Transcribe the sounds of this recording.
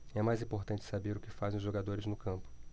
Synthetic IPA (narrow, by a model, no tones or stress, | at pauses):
ɛmajzĩpoɾt̪ɐ̃nt͡ʃɪ̥sabeɾʊkɪfazẽʊzʒoɡad̪oɾɪznʊkɐ̃mpʊ̥